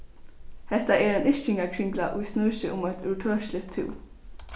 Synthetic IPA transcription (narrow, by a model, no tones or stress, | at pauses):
hɛht̪aɛːɾɛnɪʃcɪŋakʰɾɪŋɡlaʔʊjsnœːʃəʔʊmæɪt̪ʰʉʈʰøːʃlɪt̪ʰːɪ̰ː